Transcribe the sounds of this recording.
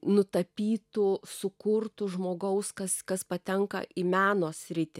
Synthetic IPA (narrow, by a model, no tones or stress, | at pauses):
nʊt̪ɐpʲiːt̪ʊsʊkʊrt̪ʊʒmoːɡɐʊskɐskɐspɐt̪ʲɛŋkɐ̰ʔimʲæːnoːsʲɾʲɪt̪ʲɪ